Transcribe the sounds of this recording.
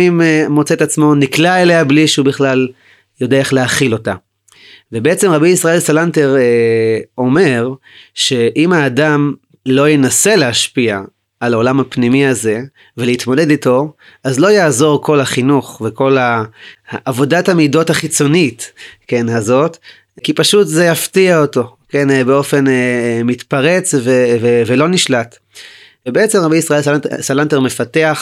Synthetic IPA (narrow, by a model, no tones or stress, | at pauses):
immo̞t͡setat͡smo̞niklaeleabliʃeubiχlal | jo̞deaeχleaχilo̞ta | vebeet͡se̞mʁabiisʁae̞lsalanteʁ | o̞me̞ʁ | ʃe̞ʔimaːdam | lo̞jenase̞leɦaʃpiaː | lao̞lamapnimiaze̞ | veleit̪mole̞dito̞ | azlo̞jaːzo̞ʁko̞lhaχinuχveko̞la | ʔːvo̞dathamido̞thaχit͡so̞nitkenhazo̞t | kipaʃutzejaftiaoto̞kenbeo̞fe̞nemitpaʁe̞t͡svevevelo̞niʃlat | vebeet͡semʁabejisʁae̞lssalanteʁmefateaχ